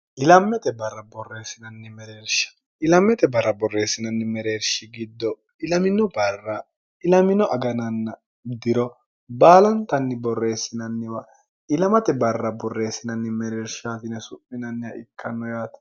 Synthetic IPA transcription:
ʔɪlɐmːɛt̪ɛbɐrːɐbɔrːe̞ːsɪnɐnːɪmɛɾeːɾʃɐ̥ | ʔɪlɐmːɛt̪ɛbɐrːɐbɔrːe̞ːsːɪnɐnːɪmɛɾeːɾʃɪɡɪd̪ːɔ | ɪlɐmɪnɔbɐrːɐ | ɪlɐmɪnɔʔɐɡɐnɐnːɐ | d̪ɪɾɔ | baːlɐnt̪ɐnːɪbɔrːe̞ːsːɪnɐnːɪwɐ | ɪlɐmɐt̪ɛbɐrːɐbɔrːe̞ːsːɪnɐnːɪmɛɾeːɾʃaːt̪ɪnɛsʊpːɪnɐnːɪɐʔɪkʰːɐnːɔjaːt̪

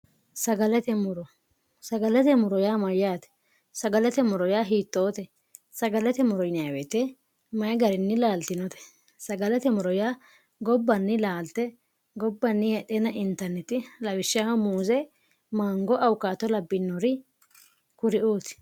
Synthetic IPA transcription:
sɐɡɐlɛt̪ɛmʊɾɔ | sɐɡɐlɛt̪ɛmʊɾɔjaːmɐjaːt̪ɛ̥ | sɐɡɐlɛt̪ɛmʊɾɔjaːɦiːt̪ʼːoːt̪ɛ | sɐɡɐlɛt̪ɛmʊɾɔjnɪjaːwet̪e | mɐjɡɐɾɪnːɪlaːlt̪ɪnɔt̪ɛ̥ | sɐɡɐlɛt̪ɛmʊɾɔjaː | ɡɔbːɐnːɪlaːlt̪ːɛ | ɡɔbːɐnːɪjɛt̪ʼɛnɐʔɪnt̪ɐɾnɛt̪ɪlɐwɪʃːamuːzɛ | maːŋɡɔʔɐwkːaːt̪ːɔlɐbːɪnːɔɾɪ | kʊɾɪʔoːt̪ɪ̥

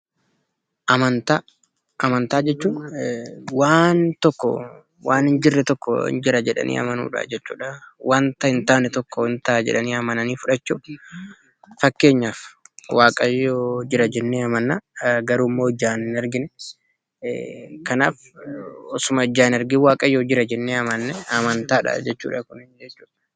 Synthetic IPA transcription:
ʔɐmɐnt̪a | ʔɐmɐnt̪aːd͡ʒɛt͡ʃːuː | waːnt̪ɔkːɔ̰ | waːnɪnd͡ʒɪrːɛt̪ɔkːɔ̰ɪ̰nd͡ʒɪɾɐd͡ʒɛᶑɐ̰nʔḭːɐ̰mɐnṵːᶑɐ̰d͡ʒɛt͡ʃːṵːᶑɐwʔaːnt̪ɐɪnt̪aːnɛt̪ɔkːɔɪnt̪aːd͡ʒɛ̰ᶑɐniːɐmɐnɐniːfʊᶑɐt͡ʃːu | fɐkːe̞ːɲːaːfwaːkʼɐjoːd͡ʒɪɾɐd͡ʒɛnːeːɐmɐnːaɡɐɾuːmːoːd͡ʒːaːnnɛɾɡɪnɛ | kɐna̰ːf | ɔsʊmɐɔd͡ʒːaːnɛɾɡɪwaːkʼɐjoːd͡ʒɪɾɐd͡ʒɛnːeːɐmɐnːɛɐmɐnt̪aːᶑɐ̰d͡ʒɛt͡ʃːṵːᶑɐkʊnɪnd͡ʒɛt͡ʃːuːᶑɐ̥

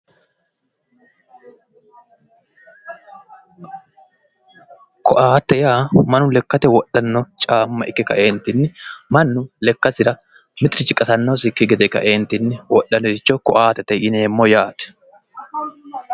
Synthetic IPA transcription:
kɔʔaːt̪ːɛjaːmɐnʊlɛkːɐt̪ɛwɔɗːɐnːɔt͡ʃʼaːmːɐʔɪkːɪkɐ̰ʔeːnt̪ɪnːɪmɐnːʊlɛkːɐsɪɾɐ | mɪt̪ɾɪt͡ʃʼɪkʼːɐsɐnːosɪkːɪɡɛd̪ɛkɐ̰ʔe̞ːnt̪ɪnːɪwɔʔːɐnɛɾɪt͡ʃːɔkɔʔaːt̪ɛt̪ɛʔɪneːmːojaːt̪ɛ̥

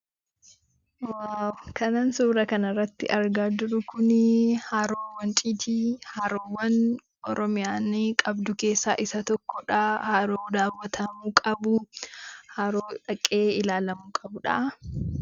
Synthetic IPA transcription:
wawkʰɐnansuːɾɐkɐnɐrːɐt̪ːɪ̰ʔɐɾɡaːd͡ʒʊɾʊkʊnɪhaːɾoːwɐnt͡ʃʼiːt̪ihaːɾoːwɐn | ʔɔɾɔmɪjaːnːɪkʼɐbd̪ʊke̞ːsːaːʔɪsɐt̪ɔkːɔᶑaːhaːɾoːd̪aːwːɐt̪ʰɐmuːkʼɐbʊ | haːɾoːᶑɐkʼːe̞ːɪlaːlɐmuːkʼɐbʊᶑɐ̰ʔ

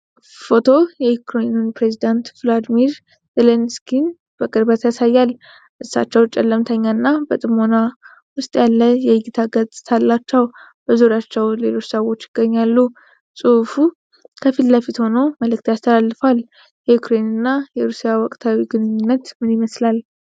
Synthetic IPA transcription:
fo̞t̪ʰo̞jɛjukɾejnunpɾe̞zid̪ant̪flad̪miɾ | zelenskin | b̥əkʼɨɾbat̪jasajːal | ʔɨsːa̰t͡ʃːɛwt͡ʃʼɛlːəmt̪ʰəɲːanːabət̪ʼɨmo̞na | wʊst̪ʼjalːəjɛɡit̪ʰaɡət͡sʼɨ̥t̪ʰalːat͡ʃːəwb̥əzoɾjat͡ʃːɛwle̞lo̞t͡ʃːsəwo̞t͡ʃːɪɡ̥ːəɲːalːu | sʼɨfu | kʰəfit̪ləfit̪ho̞no̞məlɨk̚t̪jast̪ʰəlalːɨfal | jɛjukɾejnɨnːajɛɾusijawɔkʼt̪ʰawiɡɨnɨɲːɪnːət̪mɨnjiməslal

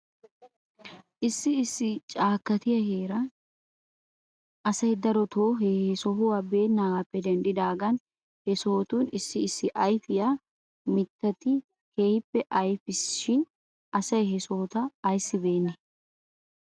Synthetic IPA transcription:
ʔɪsːɪːsːɪt͡ʃʼaːkːɐt̪ɪjɐɦeːɾɐ | ʔɐsɐjd̪ɐɾɔt̪oːɦeːhɛsɔɦʊwaːbe̞ːnːaːɡaːpːɛd̪ɛnd̪ɪd̪aːɡɐn | hɛsoːt̪uːnɪsːɪɪsːɪʔɐjfɪja | mɪt̪ːɐt̪ɪ | hejpːɛʔɐjfɪsʃɪn | ʔɐsɐjhɛsoːt̪ɐːjsːɪbe̞ːnːɛ

